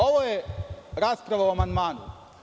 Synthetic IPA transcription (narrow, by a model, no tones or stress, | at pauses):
oʋojeɾaːspɾaʋauamand̪maːnṵ